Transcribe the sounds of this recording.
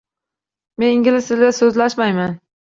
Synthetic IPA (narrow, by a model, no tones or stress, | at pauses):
me̞nɪŋɡʲɪlɪsɪlɡʲasɵzlaʃmajman